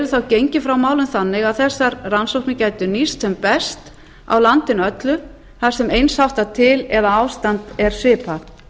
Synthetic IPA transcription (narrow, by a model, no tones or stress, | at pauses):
ɾʏθawcejɲcɪfɾawmaːwlʏnθanːɪɣaðθɛsːaɾransowhknɪcaːjt̪ʏnist̪sɛmpɛst̪ | a̰wlant̪ɪnœt̪lʏ | θḁsɛmejnshawht̪at̪ʰɪlɛðaawst̪ant̪ɛɾ̥sɪːpaθ